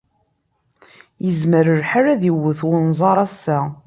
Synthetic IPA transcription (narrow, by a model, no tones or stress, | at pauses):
jəzməɾəɾħaɾæðiwəθwʊnzˤɑɾˤæsːæ